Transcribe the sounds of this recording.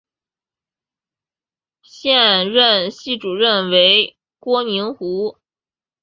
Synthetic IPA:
ɕjɛ˥˧nɻə˥˧nɕi˥˩ʈ͡ʂu˨˩ɻə˥˩nwe˧˥ɪ | kwɔ˥mi˧˥ŋxu˧˥

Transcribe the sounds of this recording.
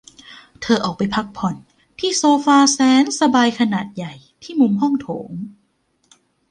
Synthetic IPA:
t̪ʰɤː˧ʔɔː˨˩k̚pa˧jpʰa˦˥k̚pʰɔ˨˩n | t̪ʰiː˥˩soː˧faː˧sɛː˨˦˥nsa˧baː˧jkʰa˧naː˨˩t̪̚ja˨˩j | t̪ʰiː˥˩mu˧mɦɔ˥˩ŋt̪ʰoː˩˦ŋ

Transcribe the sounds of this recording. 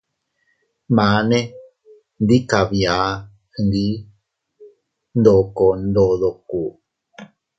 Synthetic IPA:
mã˨ne˦ | nd̪i˦ka˨βja˨˦ | hɨ˧nd̪i˦ | nd̪o˨ko˨nd̪o˨ðo˨ku˨

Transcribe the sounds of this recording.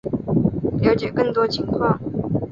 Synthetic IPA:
lja˧˥ʊt͡ɕjɛ˨˩kə˥˩ŋt̪wɔ˥t͡ɕʰi˧˥˦ŋkʰwɑ˥˨ŋ

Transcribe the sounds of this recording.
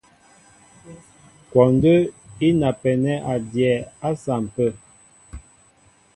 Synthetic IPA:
kwɔ˨n˦də˦i˦na˨pɛ˨nɛ˦ʔa˨djɛ˨a˦sa˨m˨pə˦˨

